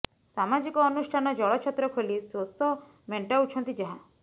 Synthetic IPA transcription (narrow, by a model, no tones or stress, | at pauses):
samad͡ʒikɔːnusʈʰanɔd͡ʒɔɭɔt͡ʃʰɔt̪ːɾɔkʰolisosɔ | meɳʈaut͡ʃʰɔnt̪id͡ʒaɦã